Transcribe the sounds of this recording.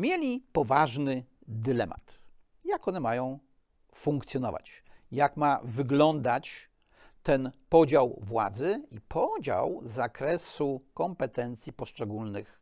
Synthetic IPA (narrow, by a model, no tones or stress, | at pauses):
mʲjelʲipɔvaʐnɘ | d̪ɘlɛma̰t̪ | jakɔnɛmajɔ̃w̃ | fuŋkt̪sʲjɔnɔ̰va̰t͡ɕjakmavɘɡlɔnd̪at͡ɕ | t̪ɛnpɔd͡ʑawvwa̰d̪zɘipʰɔd͡ʑa̰wzakɾɛsukɔmpɛt̪ɛnt̪sʲjipɔʂt͡ʂɛɡulnɘx